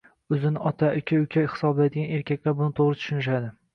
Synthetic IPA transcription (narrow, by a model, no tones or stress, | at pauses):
ɵzɪnɪʔɒt̪ʰaʔɪkʲʰaʊkʲʰahɪ̥sɒblad̪ɪɡʲane̞ɾkʲakʲlaɾbʊnɪt̪ʰoʁɾɪt̪ʰʊ̥ʃʊnɪʃ̬ad̪ɪ